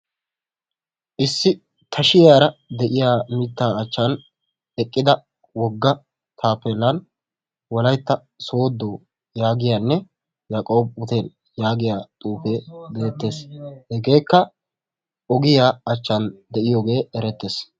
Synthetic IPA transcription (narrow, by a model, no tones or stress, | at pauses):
ʔɪsːɪ | t̪ʰɐʃɪjaːɾɐd̪ɛʔɪjaːmɪt̪ːaːɐt͡ʃːan | ɛkʼːɪd̪ɐ | wɔɡːɐ | t̪ʰaːpeːlːɐn | wɔlɐjt̪ːɐ | so̞ːd̪ːoː | jaːɡɪjaːnːɛ | jaːkʼo̞ːb̚ʊt̪eːl | jaːɡɪjaːt̪ʼuːfeːbeːt̪ːe̞ːshɛɡe̞ːkːɐ | ɔɡɪjaːɐt͡ʃːand̪ɛʔɪjoːɡe̞ːɛɾɛt̪ːe̞ːs